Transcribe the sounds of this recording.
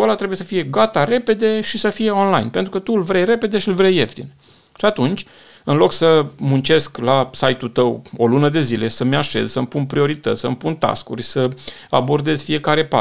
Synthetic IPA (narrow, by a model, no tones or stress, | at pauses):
olat̪ɾe̞buje̞səfije̞ɡat̪aɾe̞pe̞d̪e̞ʃisəfije̞o̞nlajnpent̪ɾukət̪ulvɾejɾe̞pe̞d̪e̞ʃiɨlvɾeje̞ft̪ḭn | ʃiat̪unt͡ʃʲ | ɨnlo̞ksəmunt͡ʃe̞sklasajt̪ut̪əwo̞lunəd̪e̞zile̞səmaʃe̞̰zsəmpunpɾio̞ɾit̪ət̪ʲsəmpunt̪a̰skṵrʲsəa̰bo̞rd̪e̞z̥ʲfije̞kaɾe̞pa̰